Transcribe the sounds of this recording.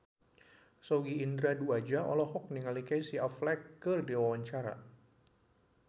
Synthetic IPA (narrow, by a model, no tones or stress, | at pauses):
sɔɡiːndɾaduad͡ʒaʔɔ̰lɔhɔk̚niŋalikajsiaflɛkːɨrdiwawaɲt͡ʃaɾa̰